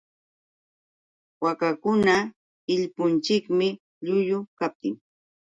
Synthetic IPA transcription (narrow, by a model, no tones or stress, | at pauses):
wakakʊna | ɪʎpʊnt͡ʃɪkmɪ | ʎʊʎʊkap̚t̪ɪŋ